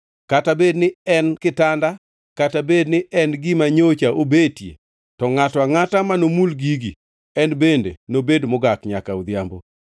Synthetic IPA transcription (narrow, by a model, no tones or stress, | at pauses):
katabednɪɛnkɪtanda | katabednɪʔɛnɡɪmaɲot͡ʃaʔobetjḛ | tɔŋatɔaŋatamanomulɡiɡi | ɛnbendḛnobedmʊɡakɲakaud̪jambo̰